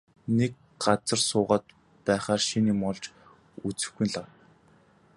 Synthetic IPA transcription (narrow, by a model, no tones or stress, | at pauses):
nek̚ | ɢat͡sə̆rsʊːʁaːt̪ | pæːχaːrʃiniːmɔɮt͡ɕ | ut͡sɘ̆xɡujnɮawt̪